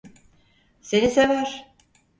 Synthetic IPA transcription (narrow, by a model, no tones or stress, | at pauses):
senisevæɾ